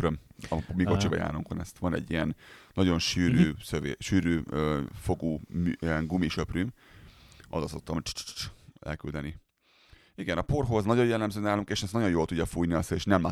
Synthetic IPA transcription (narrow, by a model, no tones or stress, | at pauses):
ɾømɒmiko̞t͡ʃibɒja̰ːɾuŋko̰nɛ̰st̪ʋɒnɛ̰ɟːijɛnːɒɟo̞nʃyːɾyːsøvḛːʃyːɾyːøfo̞ɡuːmiɛŋɡumiʃøprym | ʔɒzɒso̞k̚t̪ɒmhot͡ʃt͡ʃɛ̰lkyld̪ɛni | iɡɛnɒpo̞rɦoznɒɟo̞jɛlːɛmzøːnaːluŋkeːʃɛsnɒɟo̞njoːlt̪uɟːɒfuːjniɒseeːʃnɛmla